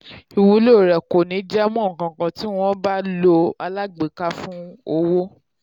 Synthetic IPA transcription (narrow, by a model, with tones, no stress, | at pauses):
i˨wu˨˦lo˦˨ɾɛ˨ko˨nĩ˨˦d͡ʒɛ˦mɔ̃˦˨kã˨kã˧ti˦w̃ɔ̃˦ba˦lo˧a˧la˦ɡ͡be˨˦ka˦fũ˦o˧wo˦